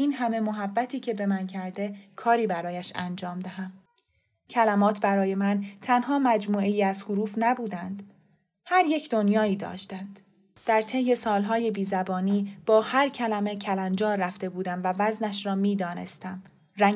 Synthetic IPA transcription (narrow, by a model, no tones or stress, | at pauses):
ʔiːnɦæme̞moɦæbːæt̪ʰiːcʰe̞be̞mæncʰæɾd̪e̞kʰɒːɾiːbæɾɒːjæʃænd͡ʒɒːmd̪æɦæm | cʰælæmɒːt̪ʰbæɾɒːje̞mænt̪ʰænɦɒːmæd͡ʒmuːe̞jiːæzhuɾuːfnæbuːd̪ænd̪̥ | hæɾje̞cʰd̪o̞njɒːiːd̪ɒ̰ːʃt̪ænd̪̥ | d̪̥æɾt̪ʰe̞jːe̞sɒːlɦɒːje̞biːzæbɒːniːb̥ɒːhæɾcʰælæme̞cʰælænd͡ʒɒːræft̪e̞buːd̪æmvævæznæʃɾɒːmiːd̪ɒːne̞̰st̪æm | ɾæ